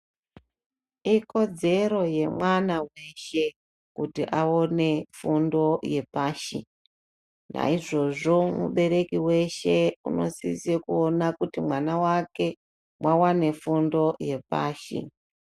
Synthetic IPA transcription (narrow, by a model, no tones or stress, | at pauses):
iko̞d͡ze̞ɾo̞je̞mwanawe̞ʃe̞ | kutiʔao̞ne̞fundo̞je̞paːʃḭ | na̰iʐo̞ʐo̞mṵɓe̞ɾe̞kiwe̞ʃe̞ṵno̞̰sisekuonakutimwanawake̞ | mwawane̞fundo̞je̞pa̰ːʃḭ